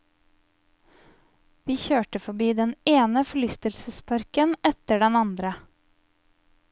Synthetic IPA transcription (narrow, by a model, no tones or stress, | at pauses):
ʋiːçøːʈəfɔbiːd̪ɛneːnəfɔɭʏst̪əlsəspʰɑɾkənɛt̪əɖɛnɑnd̪ɾə